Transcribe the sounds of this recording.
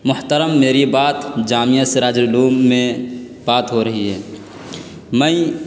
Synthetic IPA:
mʊht̪əɾəmːeːɾibaːt̪d͡ʒaːmijaseɾaːd͡ʒʊluːmːẽ | b̥aːt̪ɦoɾɐɦiɦɛː | mɛ̃i

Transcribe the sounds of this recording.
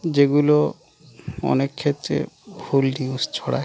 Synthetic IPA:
d͡ʑeɡulo | ɔ̰nekʰːet̪ɾḛbʱulniust͡ʃʰɔɽa̰

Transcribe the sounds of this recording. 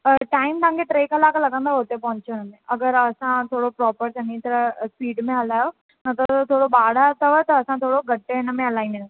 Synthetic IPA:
ʈaːɪmt̪aãːŋkeʈɾeːkɐlaːkalɐɡə̃nd̪ʱaɦot̪epɐ̃ɦɲt͡ʃonə̃neɐɡəɾɐsãt̪ʰoːɽopɾɔːpəɾsɐ̃nĩt̪ɐɾəspiːɖmẽɦɐlaːjo | nɐt̪ət̪ʰoːɽobaːɽat̪ɐʋət̪ɐːsãt̪ʰoːɽoɡɐʈːeɪnəmẽɐlaːɪnen

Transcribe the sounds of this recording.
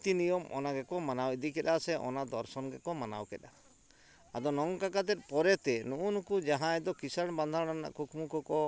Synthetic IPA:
t̪inijɔmʔɔ̰naɡɛkɔmanawid̪ikɛɗ̪asɛʔɔ̰nad̪ɔɾsɔnɡɛkɔmana̰wkɛɗa | a̰d̪ɔnɔŋkakat̪ɛt̪̚pɔɾɛt̪ɛnuʔunkud͡ʒaɦãɛd̪ɔkisaɳband̪ʱãana̰ʔkukmukɔkɔ

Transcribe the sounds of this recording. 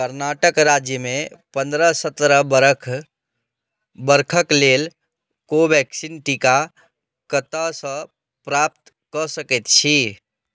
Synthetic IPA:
kəɾnaʈəkɾad͡ʒjəmẽpə̃nd̪ɾəsət̪ɾəbəɾəkʰ | bəɾkʰəkleːl | kobɛksinʈika | kət̪əsə̃ | pɾap̚t̪ | kəsəkɛt̪t͡ʃʰi

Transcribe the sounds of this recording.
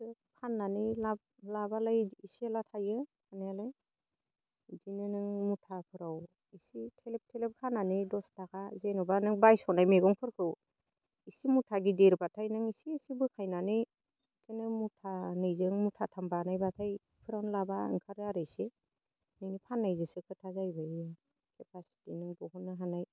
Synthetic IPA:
ɯpʰanːanilab̚ | labalajisialatʰajɯkʰanajalaj | zinɯnɯŋmutʰapʰɯɾaw | isitʰelep̚tʰelep̚kʰananidɔstakʰazenɔbanɯŋbajsɔnajmeɡɔŋpʰɯɾkʰɯw | isimutʰaɡideɾbatʰajnɯŋisiːsibɯkʰajnanɯj | kenɯmutʰanɯjzɯŋmutʰatʰambanajbatʰaj | pʰɯɾawnɯlabaɯ̰ŋkʰaɾɯaɾɯjse | nɯŋnipʰanːajzɯsɯkʰɯtʰazajbɯ | kʰepʰasi̥tinɯŋbɔɦɔnːɯɦanaj

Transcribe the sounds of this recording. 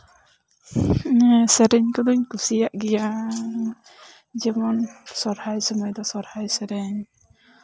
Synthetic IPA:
sɛɾɛɲkɔd̪uɲkusijaʔɡɛja | d͡ʒɛmɔnsɔɾhajsɔmɔjd̪ɔsɔɾhajsɛɾɛɲ

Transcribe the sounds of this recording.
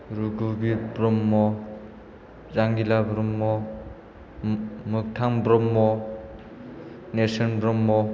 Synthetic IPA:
ɾuɡubibɾɔmːɔ | zaŋɡilabɾɔmːɔ | mɯk̚tʰaŋbɾɔmːɔ | nesɔnbɾɔmːɔ

